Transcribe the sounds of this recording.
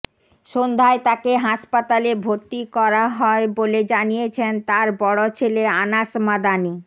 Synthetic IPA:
ʃond̪ʱaet̪akeɦaʃpat̪alebʱoɾt̪ikɔɾaɦɔeboled͡ʑanijet͡ɕʰent̪aɾbɔɽot͡ɕʰeleanaʃmad̪ani

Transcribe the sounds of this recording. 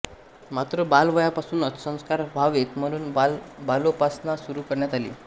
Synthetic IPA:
mat̪ɾəbalʋəjapasuːnət̪sə̃w̃skaɾbʱaʋet̪m̤əɽ̃uːnbalopasnasuɾuːkəɾɳjat̪alḭː

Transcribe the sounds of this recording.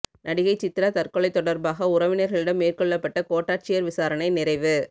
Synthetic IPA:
nʔɐɽɪɣɐɪt͡ʃːɪt̪ːɪɾat̪ɐrkɔɭɐɪt̪ːɔɽɐɾbaːɣɐʊɾɐʋɪnɐɾɣɐɭɪɽɐmːeːrkɔɭːɐpːɐʈːɐkoːʈːaːʈ̚t͡ʃɪjɐɾʋɪsaːɾɐnɐɪnɪrɐɪʋɯ

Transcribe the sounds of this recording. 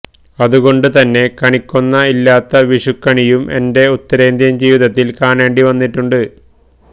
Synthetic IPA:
ɐðuɣo̞ɳɖɨt̪ɐnːe̞kɐɳikʲːunːɐilːaːt̪ːɐʋiʂukːɐɳijumʔe̞̰nde̞ut̪ːɐɾeːnd̪jɐmd͡ʑiːʋiðɐt̪ːilkaːneːɳɖiʋɐnːiʈːuɳɖɨ

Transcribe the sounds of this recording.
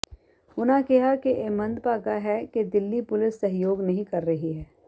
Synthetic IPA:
ʊnãkɪɦakeʔemɐ̃nd̪paːɡaɦɛked̪ɪlːipʊlɪsːɐɦjoːɡnɐɦĩkɐɾːɐɦiɦɛː

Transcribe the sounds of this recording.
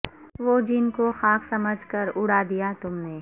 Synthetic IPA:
ʋoːd͡ʒɪnkoxaːkʰsɐməd͡ʒʱkəɾʊɽad̪ijat̪ʊmneː

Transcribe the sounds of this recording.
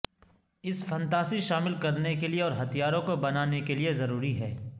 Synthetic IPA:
ɪsfɛ̃nt̪aːsiʃaːmɪlkɐɾnekelieɔːɾɦɐt̪ijaːɾõkobɐnaːnekeliezɐɾuːɾiɦɛː

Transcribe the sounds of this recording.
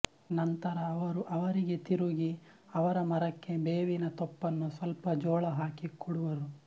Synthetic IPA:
nɐnt̪ɐɾɐːʋɐɾuʔɐʋɐɾiɡe̞t̪iɾuɡi | ɐʋɐɾɐmɐɾɐkːe̞beːʋinɐt̪ɔpːɐnːusʋɐlpɐd͡ʒɔːɭɐɦaːkikʰuɽuʋɐɾu

